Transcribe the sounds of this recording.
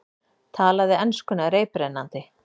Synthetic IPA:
t̪ʰaːlaðɪɛnskʏnaɾeːjpɾenːant̪ɪ

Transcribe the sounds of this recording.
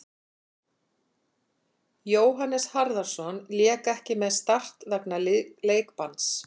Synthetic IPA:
joːwɦanːɛshaɾðaɾ̥sɔnljɛːkɛhcɪmɛðst̪ar̥t̪ðɛknalleːjkpans

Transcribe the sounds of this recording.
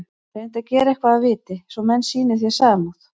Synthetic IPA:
θaɛnt̪acɛːɾɛhkvaðavɪːt̪ɪsɔmɛnːsiːnɪθjɛ̥saːmawθ

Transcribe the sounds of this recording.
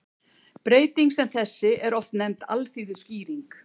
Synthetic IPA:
pɾeːjt̪iŋksɛmθɛsːɪʔɛɾɔft̪nɛmt̪a̰lθiːðʏsciːɾiŋk

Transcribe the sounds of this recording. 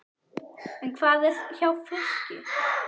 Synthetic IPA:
ɛnkʰvaːðɛsçawfɪscʏ̰

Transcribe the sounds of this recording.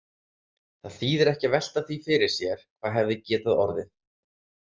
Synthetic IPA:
θaðθiːðɪɾɛhcavɛl̥t̪aθifɪɾɪɾ̥sjɛɾ̥kʰv̥aːðɦɛvðɪcɛːt̪aðɔ̰ɾðɪ

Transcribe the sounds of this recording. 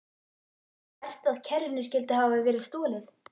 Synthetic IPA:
ɛr̥st̪aðcʰɛɾɪnʏscɪlt̪ɪɦaːvavɛːɾɪðst̪ɔːlɪθ

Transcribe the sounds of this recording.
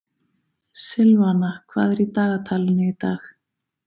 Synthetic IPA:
sɪlvanakʰva̰ːðɛɾit̪aːɣat̪ʰaːlɪnɪit̪aːx

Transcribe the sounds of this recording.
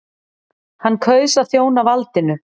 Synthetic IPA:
hanːkʰœːɥsaðθjoːwnavalt̪ɪnʏ

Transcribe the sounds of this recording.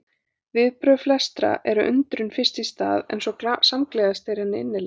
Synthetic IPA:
vɪðpɾœflɛst̪ɾa̰ʔɛɾʏʔʏnt̪ɾʏnfɪrst̪ist̪a̰ːðɛ̰jnsɔsamklɛːɣast̪ejɾɛnːɪɪnːɪ

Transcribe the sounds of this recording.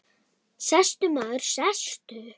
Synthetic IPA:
sast̪ʏmaːðʏɾ̥sast̪ʏ

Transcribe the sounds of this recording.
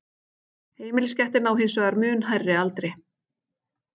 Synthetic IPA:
heːjmɪlscɛht̪ɪnawɦɪnsvœɣaɾmʏːnɦajrːɪalt̪ɾɪ

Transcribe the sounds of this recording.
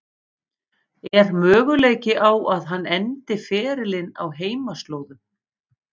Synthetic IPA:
ɛɾmœːɣʏleːjcɪʔawʔaðɦanːɛnt̪ɪfɛːɾɪlɪna̰wɦeːjmast̪loːwðʏ

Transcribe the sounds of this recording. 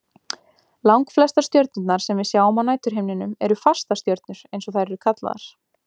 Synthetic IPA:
lawŋkflɛst̪ast̪jœɾt̪̚nʏt̪naɾ̥sɛmvɪðsjawɔmanaːjt̪ʏɾ̥ɦejmnɪnʏmɛɾʏfḁst̪ast̪jœɾt̪nʏɾ̥ejnsɔθaɾɛɾʏkʰat̪la̰ða̰ɾ̥

